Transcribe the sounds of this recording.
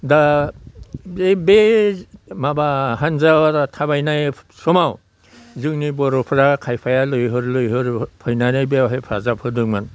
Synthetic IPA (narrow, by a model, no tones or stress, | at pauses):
da | bebe | mabaɦanzawadatʰabajnajsɔmaw | zɯŋnibɔɾɔpʰɾakʰajpʰajalɯjɦɯɾlɯjɦɯɾpʰɔjnanajbawɦejpʰa̰zapʰɯdɯŋman